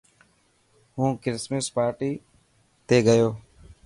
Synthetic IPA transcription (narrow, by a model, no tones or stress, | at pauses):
ɦũːkɪɾɪsməspaːɾʈiː | t̪eːɡəjoː